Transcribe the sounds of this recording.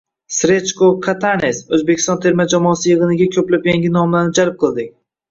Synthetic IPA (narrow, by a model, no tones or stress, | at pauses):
sɾet͡ʃkokʰat̪ʰanesɵzbekʲʰi̥st̪ɒnt̪ʰe̞ɾmad͡ʒamɒːsɪjɨʁɨnɪɡʲakʲʰɵplapjaŋɡʲinɒmlˠaɾnɪd͡ʒaɾp̚qʰɨlˠd̪ɪk̚ʲ